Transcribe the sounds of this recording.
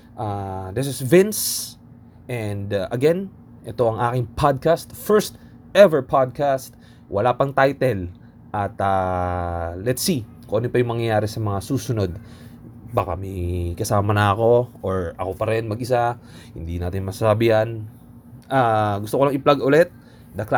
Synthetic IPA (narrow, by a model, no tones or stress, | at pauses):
ʔad̪ɪsɪsvɪns | ʔɛnd̪ʔɐɡɛn | ʔɛt̪o̞ʔɐŋʔaːkɪŋpʰad̪̚kast̪fɛɹst̪ | ʔɛvɛɹpʰad̪̚kast̪̚ | wʔɐ̰lapɐŋt̪ajt̪ɛl | ʔɐt̪a | lɛt̪si | koʔɐnopɐjʊŋmɐŋjɐjaːɾɛsɐmɐŋasuːsʊno̞d̪ | baːka̰mɐjkɐsaːmɐnɐɐko̞ʔoɹʔɐ̰ko̞pɐɾɛnmɐɡɪsa | hɪ̰nd̪inaːt̪ɪnmɐsɐsabɪjan | ʔaɡʊst̪okolɐŋʔɪplaɡʔʊlɛt̪̚ | d̪ɐkl